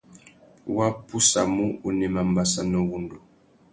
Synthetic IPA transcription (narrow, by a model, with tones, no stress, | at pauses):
wa˦pu˦sa˨mu˦u˨nɛ˨ma˨m˦ba˦sa˦nɔ˦wu˦ndo˨